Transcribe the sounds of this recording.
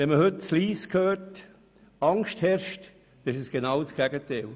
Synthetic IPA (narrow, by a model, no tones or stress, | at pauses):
ʋɛnməhʏtt͡sliːskʰhøːɾt | ɑŋʃthɛɾʃt | dɪʃəsɡ̥enaʊt͡sɡ̥ɛɡ̥ətɛl